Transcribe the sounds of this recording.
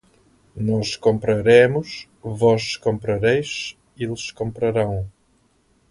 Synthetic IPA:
nɔʃkõmpɾɐɾemʊʃ | vɔʃkõmpɾɐɾejʃ | ilʃkõmpɾɐɾɐ̃w̃

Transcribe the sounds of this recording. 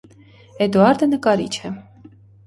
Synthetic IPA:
ɛd̪uɑɾd̪ənəkɑɾḭt͡ʃʰɛ

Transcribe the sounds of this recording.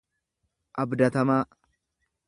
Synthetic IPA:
ʔɐbd̪ɐt̪ɐmaː

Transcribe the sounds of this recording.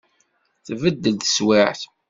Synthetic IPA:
θvəd̪ːəlt̪ə̥swɪʕθ

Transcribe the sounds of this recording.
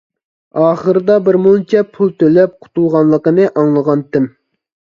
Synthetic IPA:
ɑːχəɾɨd̪ɑbɪɾmut͡ʃʰɛpʰulˠt̪ʰølɛp̚qʰʊ̥t̪ulˠʁɑnlˠəqənɨʔɑŋlˠəʁɑnt̪ʰɪm

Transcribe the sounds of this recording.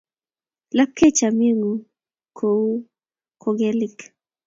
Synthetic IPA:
lap̚kʰet͡ʃamiəŋu | kʰou | kʰoɡelik

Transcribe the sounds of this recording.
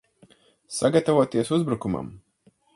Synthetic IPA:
saɡat̪avuɔt̪iɛsuzbɾukuma̰m

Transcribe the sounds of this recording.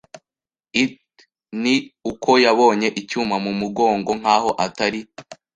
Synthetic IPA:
it | niukʰo̞jaβo̞ːɲe̞ʔicuːmamumuɡo̞ːŋɡo̞ŋ̥aːɦo̞ʔataɾi

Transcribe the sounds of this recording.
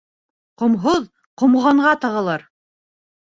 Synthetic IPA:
qŏmɦoð | qŏmʁɑɴʁɑt̪ɑʁɤ̆lˠɑɾ

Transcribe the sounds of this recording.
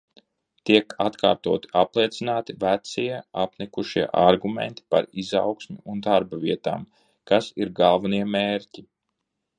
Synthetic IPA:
t̪iɛkat̪kʰa̰ːɾt̪uɔt̪i̥aplˠiɛt̪sinaːt̪ivæt̪siɛapnʲɛkuʃiɛʔaɾɡumḛnt̪i̥pa̰ɾiza̰wksmʲḭund̪aɾbaviɛt̪a̰ːm | kasiɾɡalˠvaniɛmeːɾci

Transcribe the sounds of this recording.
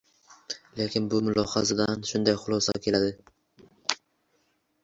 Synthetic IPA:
le̞kʲɪnbʊmʊlɒhɑzad̪anʃʊnd̪ajχʊlˠɒsa̰kʲʰe̞lad̪ɪ

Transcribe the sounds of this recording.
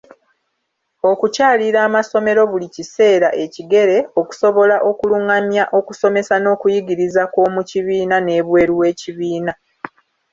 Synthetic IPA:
o̞kucaːliɾaːmaso̞me̞ɾo̞βulicise̞ːɾaʔe̞ciɡe̞ɾe̞o̞ku̥so̞βo̞laʔo̞kuluŋamjaʔo̞kuso̞me̞sano̞ːkujiɡiɾizako̞ːmuciβiːnane̞βwe̞ːɾiwe̞ːciβiːna

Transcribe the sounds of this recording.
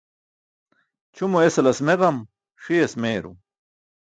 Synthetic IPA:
t͡ɕʰumuesɐlɐsmeʁɐm | ʂiesmeːɾṵ

